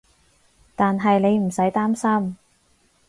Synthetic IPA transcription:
t̪aː˨nɦɐ˨jne˨˧jm̩˨˩sɐ˨˥jt̪aː˥msɐ˥m

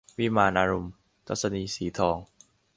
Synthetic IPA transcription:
wiː˥˨maː˧nʔaː˧ɾo˧m | t̪ʰa˦˥t̚sa˧niː˧siː˩˦t̪ʰɔː˧ŋ

